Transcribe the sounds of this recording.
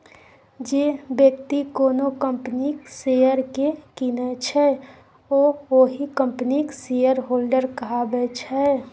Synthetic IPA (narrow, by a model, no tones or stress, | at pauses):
d͡ʒebjəkt̪ikoːnokə̃mpəniksejəɾkekinət͡ʃʰɛ | oːoɦikə̃mpniksejəɾɦoːlɖəɾkəɦabɛt͡ʃʰɛ